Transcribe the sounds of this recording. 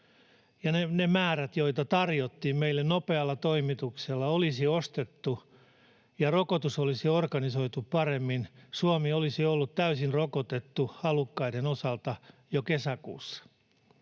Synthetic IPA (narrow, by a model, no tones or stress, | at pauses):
jɑnenemæːɾæt̪jo̞it̪ɑt̪ɑrjot̪ːiːmmeilːennopeɑlːɑt̪oimit̪ukselːɑolisiost̪et̪ːu | jɑrokot̪usolisiorkɑniso̞it̪uppɑremːinsuomiolisiolːut̪t̪æysinrokot̪et̪ːuɑlukːɑiɾenosɑlt̪ɑjokesækṵːsːɑ̥